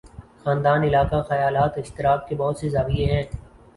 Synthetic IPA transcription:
xaːnd̪aːnɪlaːkaxɐjaːlaːt̪ɪʃt̪ɪɾaːk̚kebɔɦʊt̪sezaːbieɦɛ̃ː

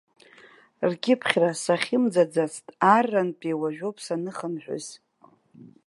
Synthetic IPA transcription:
rɡʲɪpʰχʲrasaχʲɪmd͡zad͡zat͡sʰtʼarːanpʼejwaʒᶣopʰʼsanɨχənħʷᶣʊ̰z̥

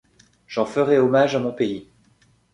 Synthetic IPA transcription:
ʒ̥ɑ̃fəʁɛɔmaʒamɔ̃pei

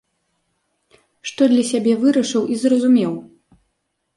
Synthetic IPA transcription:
ʂt̪ɔd̪lʲɐsʲabʲɛvɨɾɐʂɨwʔizrɐzumʲɛw

